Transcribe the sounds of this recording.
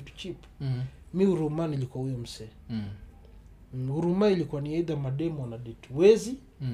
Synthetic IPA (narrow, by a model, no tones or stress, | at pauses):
itu̥t͡ʃip | miuɾumanilikuahujɔm̩sɛ | uɾumailikuaniaiðamaɗɛmwanaɗɛtuwɛzi